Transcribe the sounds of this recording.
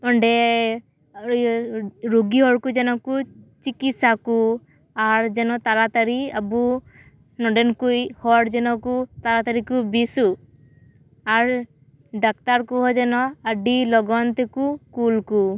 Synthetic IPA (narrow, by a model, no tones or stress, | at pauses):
ɔɳɖɛ | ɾoɡiɦɔɽkud͡ʒɛnɔkut͡ʃikit̪saku | aɾd͡ʒɛnɔt̪aɾat̪aɾiabu | nɔɖɛnkujhɔɽd͡ʒɛnɔkut̪aɾat̪aɾikubisu | aɾ | ɖak̚t̪aɾkuɦɔd͡ʒɛnɔaɖilɔɡɔnt̪ɛkukulku